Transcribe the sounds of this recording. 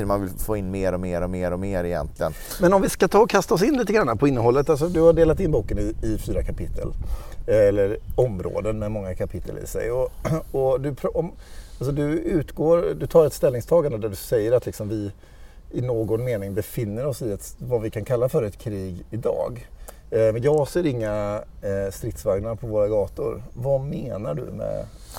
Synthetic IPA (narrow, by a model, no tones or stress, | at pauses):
manvɪlfoːɪnːmeːɾɔmeːɾɔmeːɾɔmeːɾɛjɛ̰nt̪ʰlɪə̰n | mɛnɔmvɪskat̪ʰɑːɔkʰast̪aɔsɪnːliːt̪əɡɾanːapʰɔɪnːəɦɔlːət̪als̬ɔd̪ɵhaɖeːlat̪ɪnːbuːkənɪːfyːɾakʰapʰɪt̪ʰːə̰l | ɛlːəɾɔmɾo̰ːd̪ənmɛmɔŋːakʰapʰɪt̪ʰːə̰lɪ̰sɛ̰jɔɔd̪ɵpʰɾʔɔm | als̬ɔd̪ɵʉ̟ːt̪ɡoːɾd̪ɵt̪ʰɑːɾɛt̪st̪ɛlnɪŋst̪ʰɑːɡand̪əd̪æɖɵsɛjːəɾat̪ʰlɪksɔmvɪ | ɪnoːɡɔnmeːnɪŋbɛfɪnːəɾɔsɪɛt̪vavɪkʰankʰalːafœːɾɛt̪kʰɾiːɡɪd̪ɑ̰ːɡ | mɛnjɑːɡseːɾɪŋːa | st̪ɾɪt̪svaɡnaɾpʰɔvoːɾaɡɑːt̪ʊ̰ɾvameːnaɖɵ̰mɛ̰